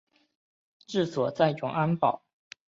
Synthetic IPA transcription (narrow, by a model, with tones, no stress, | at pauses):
ʈ͡ʂɻ̩˥˩swɔ˨˩t͡sa˥˧ɪʈ͡ʂʊ˨˩˦ŋa˥npɑ˨˩˦ʊ